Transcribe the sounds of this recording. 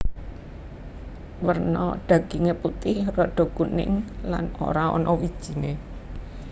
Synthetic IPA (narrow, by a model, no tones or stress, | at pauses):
wərnɔ̰ɖ̥ä̤ɡ̥i̤ŋeput̪ɪhrɔɖ̪̥ɔ̤kunɪ̰ŋlano̰ɾaɔ̰nɔwid̥ʒ̥i̤ne